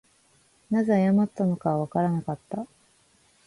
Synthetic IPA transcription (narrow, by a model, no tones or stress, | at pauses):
nazeajamat̪ːano̞kaβaβakaɾanakat̪ːa